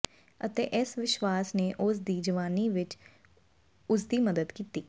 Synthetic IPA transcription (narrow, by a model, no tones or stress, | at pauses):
ət̪eːʔɪsʋɪʃʋaːsneːʔʊsd̪iːd͡ʒəʋaːniːʋɪt͡ʃ | ʊs̬d̪iːməd̪əd̪kiːt̪iː